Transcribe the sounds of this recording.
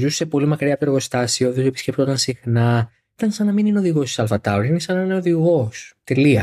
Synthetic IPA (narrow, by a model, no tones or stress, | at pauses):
zusse̞po̞limɐkɾiɐp̪eɾɣo̞st̪ɐsioðizepiscʲep̚t̪o̞t̪ɐnsixnɐ | it̪ɐnsɐnɐminineoðiɣo̞si̥sɐlfɐt̪ɐuɾinesɐnɐineoðiɣo̞st̪e̞liɐ